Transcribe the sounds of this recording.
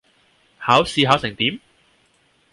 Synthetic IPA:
haː˨˥wsiː˧ɦaː˨˥wsɪ˨˩ŋt̪iː˨˥m

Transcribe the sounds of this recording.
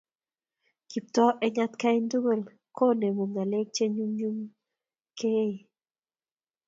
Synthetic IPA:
ki˨p̚t̪ɔ˦ʔɛ˦ɲa˦t̪ka˦ɪ˦ndu˦wɛ˨l | ko˦˨ne˨mo˨ŋa˨le˦k̚t͡ʃe˦ɲu˦mɲu˦m | kʰe˦i˨

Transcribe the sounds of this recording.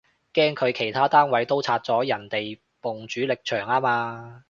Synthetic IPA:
kɛː˥ŋkʰɵ˨˧ɥkʰe˨˩jt̪ʰaː˥t̪aː˥nwɐ˨˥jt̪o˥wt͡sʰaː˧t̚t͡sɔː˨˥jɐ˨˩nt̪e˨j | pʊ˨˩ŋt͡ʃyː˨˥lɪ˨k̚t͡ʃʰœː˨˩ŋaː˥maː˧

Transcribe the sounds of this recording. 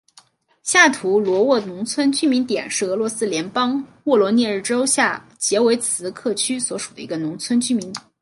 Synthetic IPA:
ɕja˥˩t̪ʰu˧˥lwɔ˧˥wɔ˥˩nʊ˧˥ŋt͡sʰwə˥nt͡ɕy˥mi˧˥nt̪jɛ̰˨˩nʂɻ̩˥˩ɤ˧˥lwɔ˧˥sɹ̩˥ljɛ˧˥npɑ˥ŋwɔ˥˩lwɔ˧˥njɛ˥˧ɻ̩˥˩ʈ͡ʂo˥ʊɕja˥˩ | t͡ɕjɛ˧˥we˧˥ɪt͡sʰɹ̩˧˥kʰɤ˥˩t͡ɕʰy˥swɔ˧˥ʂu˨˩d̪ə̰˦i˧˥ɡə˧nʊ˧˥ŋt͡sʰwə˥nt͡ɕy˥mi˧˥n˩˦

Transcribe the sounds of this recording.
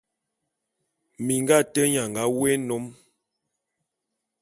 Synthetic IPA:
mi˨ŋɡa˦˨tə˦ɲa˨ŋ˨ɡa˦we˦no˨˦m

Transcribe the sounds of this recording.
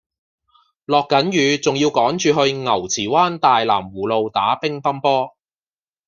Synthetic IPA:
lɔː˨kːɐ˨˥njyː˨˧t͡sʊ˨ŋjiː˧wkɔː˨˥ŋt͡ʃyː˨˧ɦɵ˧ɥŋɐ˨˩wt͡sʰiː˨˩waː˥nt̪aː˨jlaː˨˩mwuː˨˩lo˨˧wt̪aː˨˥pɪ˥ŋfɐ˥npɔː˥

